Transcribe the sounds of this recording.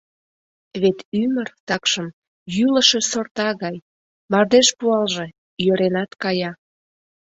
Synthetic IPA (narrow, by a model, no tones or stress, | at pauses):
βet̪ymərt̪ɑkʃəm | jyləʃe̽sort̪ɑɣɑj | mɑrd̪eʃpuɑlʒe̽ | jøɾenɑt̪kɑjɑ